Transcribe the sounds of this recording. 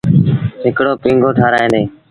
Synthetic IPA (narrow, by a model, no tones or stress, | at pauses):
ɦɪkɽoːpĩːŋɡʱoːʈʰaːɾaːẽːneː